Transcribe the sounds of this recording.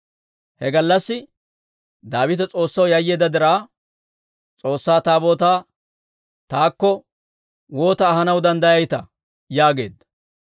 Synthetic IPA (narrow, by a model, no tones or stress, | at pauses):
hɛɡɐlːɐsːɪ | d̪aːbɪt̪ɛt͡sʼo̞ːsːɐwjɐjːeːd̪ɐd̪ɪɾaː | t͡sʼo̞ːsːaːt̪aːbo̞ːt̪aː | t̪aːkːɔ | wo̞ːt̪ɐːɦɐnɐwd̪ɐnd̪ɐjɐjt̪ɐ | jaːɡe̞̰ːd̪ɐ